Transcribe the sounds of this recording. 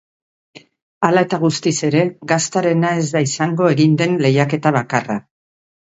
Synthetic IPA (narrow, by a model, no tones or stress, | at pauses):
alae̞t̪aɣ̞ust̪ise̞ɾe̞ɣast̪aɾe̞nae̞zd̪aisaŋɡo̞e̞ɣind̪e̞nle̞jake̞t̪aβakara